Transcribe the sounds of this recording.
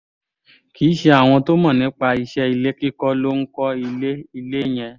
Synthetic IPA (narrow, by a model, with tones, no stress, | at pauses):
ki˨˦ʃe˧a˨w̃ɔ̃˧to˦mã˦˨nĩ˨˦k͡pa˧i˧ʃɛ˧i˧le˦ki˦kɔ˦lo˦ŋ̩˦kɔ˦i˧le˦i˧le˦˨j̃ɛ̃˧